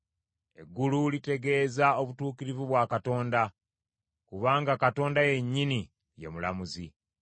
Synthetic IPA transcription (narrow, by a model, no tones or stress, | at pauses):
e̞̰ɡːululite̞ɡe̞ːzao̞βutuːkiɾivuβwaːkato̞ːnda | kuβaːŋɡakato̞ːndaje̞ɲːini | je̞̰mula̰muzi